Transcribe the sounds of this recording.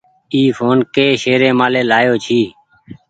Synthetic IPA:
iːfʰoːnkeːʃeːɾẽːmaːleːlaːjoːt͡ʃʰiː

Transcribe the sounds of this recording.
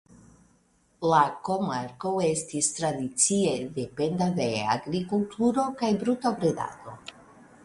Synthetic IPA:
lako̞maɾko̞e̞stistɾadit͡sie̞de̞pe̞nd̪ade̞a̰ɡɾikultʰuɾo̞kajbɾutobɾed̪a̰t̪o̞

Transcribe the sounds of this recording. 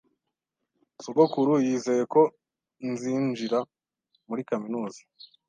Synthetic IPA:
soɡokuɾujiːze̞je̞ko̞ | nziːnd͡ʒiɾa | muɾikaminuːzḁ

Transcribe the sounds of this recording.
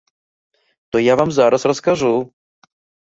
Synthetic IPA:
t̪ojaːvaːmzaːɾasɾɔskaʒu

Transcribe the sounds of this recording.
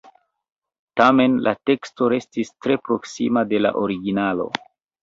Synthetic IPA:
tame̞nlʔa̰te̞ksto̞ɾe̞stistɾe̞pɾo̞ksḭmade̞la̰ʔoɾiɡinalo̞̰

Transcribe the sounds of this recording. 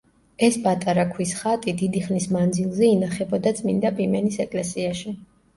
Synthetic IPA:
ɛspʼat̪ʼaɾakʰwisχat̪ʼid̪id̪iχnismand̪zilˠzɛinaχɛbɔd̪at̪sʼmind̪apʼimɛnisɛkʼlɛsiaʃi

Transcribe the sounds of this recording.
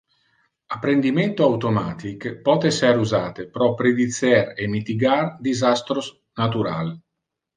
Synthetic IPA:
apːɾend̪imɛnt̪oawt̪omaːt̪ikpɔːt̪ɛsɛɾuzaːt̪epɾɔpːɾed̪it̪sɛɾemit̪iɡard̪izast̪ɾos | nat̪̬uɾa̰l

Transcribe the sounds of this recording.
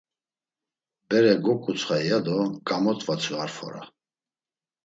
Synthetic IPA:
bɛɾɛɡɔkʼut͡sʰʼχajjad̪ɔkʼamɔt̪ʼvat͡sʰuaɾfɔ̰ɾa̰

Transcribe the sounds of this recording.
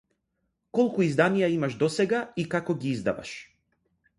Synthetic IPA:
kɔlˠkuizd̪anijaimaʃd̪ɔsɛɡaikakɔɡiizd̪a̰va̰ʃ

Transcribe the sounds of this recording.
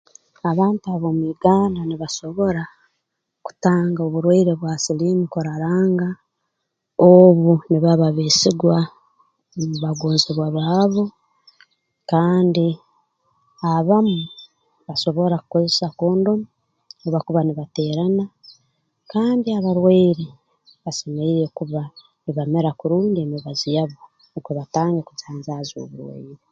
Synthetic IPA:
aβaːntuaβo̞miːɡaːnaniβaso̞βo̞ɾa | ku̥taːŋɡaoβuɾwaiɾe̞βwasiliːmukoɾaɾaːŋɡa | oβuniβaβaβesiɡwa | muβaɡoːnziβwaβaːβo | kaːndi | aβamu | βaso̞βo̞ɾakuko̞zesako̞ːndo̞mo | oβakuβaniβate̞ːɾana | kaːndiaβaɾweːɾi | βasemeiɾekuβa | niβame̞ɾakuɾuːndiemiβazijaβo | nikoβataːŋɡeku̥t͡saːnzazo̰βuɾwḛɾi

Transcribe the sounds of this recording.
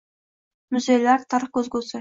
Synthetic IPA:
mʊzʲejlæɾt̪ʰəɾqɵzɡʲɵsɪ

